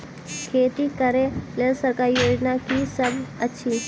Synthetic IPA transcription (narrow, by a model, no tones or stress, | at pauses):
kʰeːt̪ikəɾẽlelsəɾkaɾjoːd͡ʒnakisɐbʱɐtːʃʰi